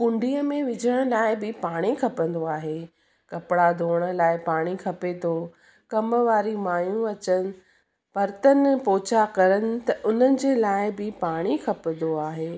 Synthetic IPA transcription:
kʊ̃ɳɖiːəmẽʋɪd͡ʑʱəɽ̃laːɪbɪpaːɽ̃ikʰɐpə̃n̆d̪oaːɦeː | kɐpɪɽad̪ʱoːɽ̃ə̆laːɪpaːɽ̃ikʰɐpet̪ʰoː | kɐməʋaːɾimaːjũɐt͡ɕənɪ̆ | pɐɾt̪ənpɔːt͡ɕakɐɾəñɪ̆t̪ɐʔʊn̤ənɪ̆d͡ʑeːlaːɪbɪpaːɽ̃ikʰɐpə̃n̆d̪oaːɦeː

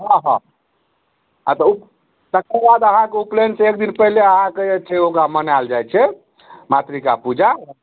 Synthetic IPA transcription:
ɦɔ̃ɦɔ̃ | a̰t̪ɔup | t̪əkabad̪əɦãkeuplensẽekd̪inpɛɦleəɦãkeet͡ʃʰɛokɾamənald͡ʒajt͡ʃʰɛ | mat̪ɾikapud͡ʒa

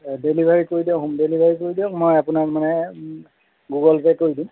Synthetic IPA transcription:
delibʱaɹikoɹidiɔɦũmdelibʱaɹikoɹidiɔkmojapunakmanɛ | ɡuɡɔlpɛkoɹidĩm

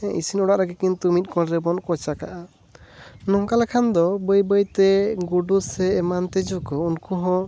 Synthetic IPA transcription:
ɛḭsinɔɽaʔɾaɡɛkint̪umit̪̚ˀkɔlɾɛbɔnkɔt͡ʃakaʔa | nɔŋkalakʰand̪ɔbəjbəjt̪ɛɡuɖusɛːmant̪ɛd͡ʒukɔunkuɦɔ̃

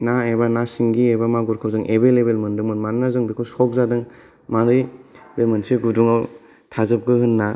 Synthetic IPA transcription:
naebanasiŋɡiebamaɡuɾkʰawzɯŋʔebelebelmɯndɯŋmɯnmannazɯŋbikʰusɔk̚zadɯŋ | maɾibemɯnseɡuduŋaw | tʰazɯp̚ɡɯhɯnːa

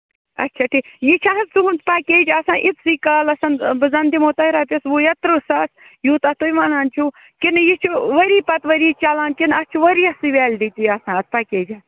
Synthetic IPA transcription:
ɐ̰tːt͡ʃʰaʈʰiːkjit͡ʃʰaɦɐt͡suɦunt̪pakʲeːd͡ʒɐsãːʔitt͡s̪siːkɐlɐsɐnbɨzɐnd̪imot̪ɐiɾaːpʲɐsʋujɐt̪ɾusɐs | juːt̪ɐt̪ojmanaːnt͡ʃʰu | kinjit͡ʃʰuʋɐɾiːpɐt̪ʋɐɾit͡ʃalaːnkinɐst͡ʃʰuʋɐɾiɐsɨʋeːlʲd̪it̪ijɐsãːɐt͡spakeːd͡ʒɐ

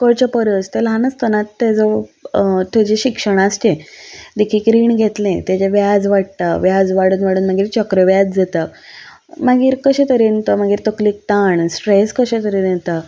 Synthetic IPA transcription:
kəɭt͡ɕəpəɾəst̪elɦanəst̪ənat̪ːed͡zə | t̪jed͡ʑeɕikʂəɽ̃ast͡ɕẽd̪ikʰiːkɾiːɳɡʱet̪lẽt̪jat͡ɕaʋjad͡zʋaɽ̚t̪aʋjad͡zʋaɽuːnʋaɽuːnmaɡiːɾt͡ɕɔkɾəʋjad͡zd͡zat̪a | maɡiːɾkəɕẽt̪əɾent̪əmaɡiːɾt̪ɔkliːk̚t̪aɳsʈɾeskəɕẽt̪əɾinent̪a

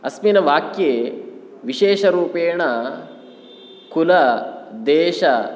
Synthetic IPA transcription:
ɐsminɐʋaːkjeː | ʋiʃeːʃɐɾuːpeːɳɐ | kulɐd̪eːʃɐ

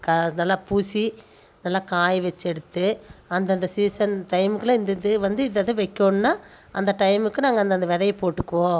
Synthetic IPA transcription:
kɐnɐlːaːpuːsi | nɐlːaːkaːjʋɛt͡ʃːɛɽɯt̪ːɯɐnd̪ɐnd̪ɐsiːsɐnʈɐɪmɯkːɯlɐ̃ɪnd̪ɪðɯʋɐnd̪ɯɪðɐðɯ̃ʋɛɪkːoːnnːaː | ʔɐnd̪ɐʈɐɪmɯkːɯnaːŋɡɐnd̪ɐnd̪ɐʋɛðɐjpoːʈːɯkːɐʋõː

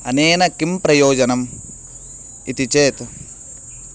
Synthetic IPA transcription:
ɐneːnɐkːimpɾɐjoːd͡ʒɐnɐm | it̪it͡ʃeːt̪

